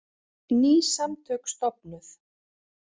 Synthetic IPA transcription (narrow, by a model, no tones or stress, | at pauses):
niːsamt̪ʰœːkst̪ɔpnʏθ